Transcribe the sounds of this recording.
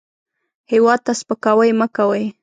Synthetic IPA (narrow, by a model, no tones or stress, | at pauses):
hɪwat̪aspakawajmakawaj